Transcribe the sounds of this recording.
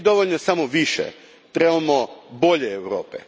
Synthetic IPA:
d̪o̞ʋoʎnosamoʋiʃḛ | t̪ɾebamobo̞ʎeːʋɾoːpḛ

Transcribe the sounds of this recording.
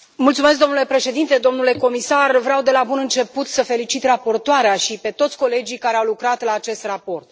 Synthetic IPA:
mult̪sume̞s̬kd̪o̞mnule̞pɾe̞ʃe̞d̪int̪e̞d̪o̞mnule̞ko̞misarvɾeawd̪e̞labunɨnt͡ʃe̞put̪səfe̞lit͡ʃit̪rapo̞rt̪oaɾeaʃipe̞t̪o̞t̪sʲko̞le̞d͡ʒikaɾeawlukɾat̪laːt͡ʃe̞st̪rapo̞rt̪̚

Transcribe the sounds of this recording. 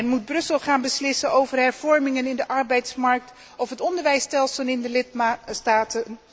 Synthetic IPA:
ɛnmud̚brɵsəlˠχaːnbəslɪsənowvərɦɛɹv̥ɔɹmɪŋənɪndəʔɑɹbɛjtsmɑɹk̚t | ɔfɦətɔndəɹʋɛjstɛlˠsəlɪndəlɪtstaːtən

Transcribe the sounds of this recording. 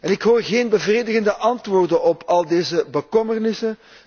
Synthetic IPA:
ɛnɪkɦoːrɣeːnbəvreːdəɣəndəʔɑntʋoːrdənɔpɑlˠdeːzəbəkɔmərnɪsən

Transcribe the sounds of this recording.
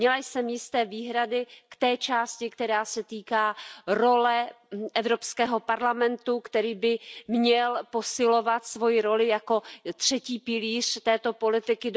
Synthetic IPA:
mɲɛlajsɛmjɪst̪ɛːviːɦɾadɪkt̪ɛːt͡ʃaːscɪkt̪ɛɾaːsɛt̪iːkaːɾo̞lɛ | ʔɛvɾo̞pskɛːɦo̞paɾlamɛnt̪ukt̪ɛɾiːbɪmɲɛlpo̞sɪlo̞vat̪svo̞jɪɾo̞lɪjako̞t̪r̝̥ɛciːpɪliːr̝̥t̪ɛːt̪o̞po̞lɪt̪ɪkɪd

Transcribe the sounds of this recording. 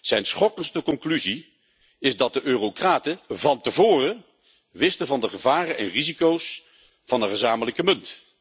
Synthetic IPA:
z̥ɛjnsχɔkənstəkɔŋklyzi | ɪzdɑt̚dəʔøːrokraːtəvɑntəvʊːrə | ʋɪstəvɑndəχəvaːrənʔɛnrizikows | fɑnəχəzaːmələkəmɵnt

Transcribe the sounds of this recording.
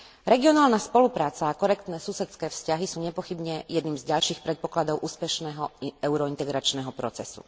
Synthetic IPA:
ɾɛɡiɔnaːlnaspɔlupɾaːt͡saːkɔɾɛk̚t̪nɛːsusɛt̪skɛːfscaɦisuːɲɛpɔxibɲɛjɛd̪niːmzɟalʃiːxpɾɛt̪̚pɔklad̪ɔʊʔuːspɛʃnɛɦɔɛʊɾɔint̪ɛɡɾat͡ʃnɛɦɔpɾɔt͡sɛsṵ

